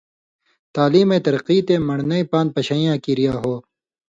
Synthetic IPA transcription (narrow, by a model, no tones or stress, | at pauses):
t̪aːliːmẽːt̪ɐɾqiːt̪ẽːmɐɳnɐipãːn̚pɐɕɐːijãːkiːɾijaːɦoː